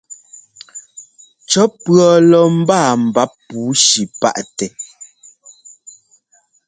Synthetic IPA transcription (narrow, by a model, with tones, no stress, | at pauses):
t͡ʃɔ˨˦pɰɔ˨lɔ˨m̩˦baː˦˨m̩˨ba˨˦pːuː˨˦ʃi˨pa̰˦ʔtɛ˨